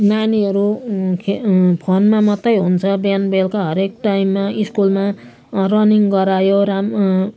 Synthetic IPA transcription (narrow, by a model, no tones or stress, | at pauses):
naniʌɾukʰpʰonmamʌt̪ːʌjɦunt͡sʰʌbjanbelkaɦʌɾekʈaimːaiskulma | rʌniŋɡʌɾajoɾam